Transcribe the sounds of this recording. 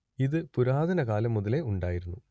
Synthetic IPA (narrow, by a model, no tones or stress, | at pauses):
iðɨpuɾaːðɐnɐɣaːlɐmːuðɐle̞uɳɖaːjiɾunːu